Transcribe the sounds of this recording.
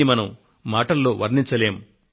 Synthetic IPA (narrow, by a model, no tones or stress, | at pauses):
imɐnɐm | maːʈɐlːoːʋɐɾnint͡ʃɐle̞ːmu